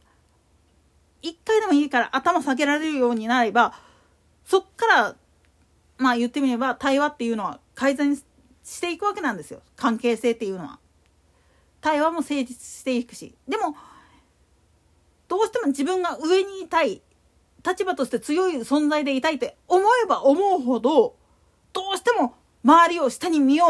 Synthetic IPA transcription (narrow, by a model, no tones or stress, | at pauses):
ikːaid̪e̞mo̞iːkaɾa̰ʔat̪amasaɡe̞ɾaɾe̞ɾɯ̟jo̞ːɲ̟inaɾe̞ba | so̞kːaɾa | majɯ̟t̪ːe̞mʲiɾe̞bat̪aiβat̪ːe̞jɯ̟ːno̞βa̰kaizẽ | ɕi̥t̪e̞ikɯ̟βake̞nãnd̪e̞sɨjo̞kãŋke̞ːse̞ːt̪ːe̞jɯ̟ːno̞βa̰ | t̪aiβamo̞se̞ːd͡ʑit͡sɨ̥ɕi̥t̪e̞ikɯ̟̥ɕḭd̪e̞mo̞ | d̪̥o̞ːɕi̥t̪e̞mo̞d͡ʑibɯ̟̃ŋɡaɯ̟e̞ɲ̟iːt̪ai | t̪at͡ɕibat̪o̞ɕi̥t̪et͡sɨjo̞isõ̞nd͡zaid̪e̞it̪ait̪ːe̞omo̞e̞baʔomo̞ɯ̟ɦo̞d̪o̞ | d̪̥o̞ːɕi̥t̪e̞mo̞ | maβaɾʲio̞ɕi̥t̪aɲ̟imʲioː